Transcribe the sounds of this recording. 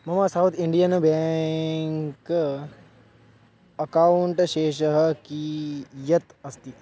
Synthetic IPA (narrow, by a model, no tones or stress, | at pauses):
mɐmasawt̪ʰiɳɖijənbɛŋk | ɐkauɳʈʃeːʃəɦkijɐt̪ɐst̪i